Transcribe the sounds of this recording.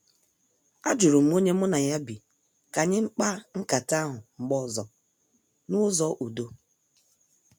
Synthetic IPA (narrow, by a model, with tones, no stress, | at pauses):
a˦d͡ʒu˨ɾu˨m̩˦o˦ɲe˦mʊ˦na˨ja˦bi˨ | ka˨ɲɪ˦ŋ͡m̩˦k͡pa˦ŋ̩˦ka˨ta˦ɦʊ˨ŋ͡m̩˨ɡ͡bɔ˦zɔ˨ | nʊ˦zɔ˦ʔu˨do˦